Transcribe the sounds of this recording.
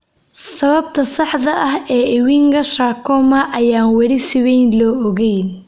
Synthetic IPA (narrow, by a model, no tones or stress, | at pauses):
sɐβɐb̚t̪ʰɐsɑħðɐʔɐɦɛːɪwiŋɡɐʃraːkʰɔmɐʔɐjaːnwɐɾɪsɪβɛjnlɔːɔɣɛjn